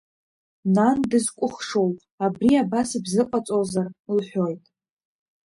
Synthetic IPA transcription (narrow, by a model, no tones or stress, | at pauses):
nandɨzkʷʼʊχʂo̞w | abriabasɨbzɨqʼat͡sʼozarlħʷᶣo̞jtʼ